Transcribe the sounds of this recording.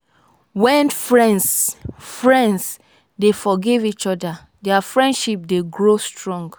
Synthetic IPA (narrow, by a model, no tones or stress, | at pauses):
wɛ̃nfɹɛ̃ndsfɹɛ̃nds | defɔɡevit͡ʃɔda | dɛafɹɛ̃ndʃip̚deɡɹostɹɔ̃ŋɡ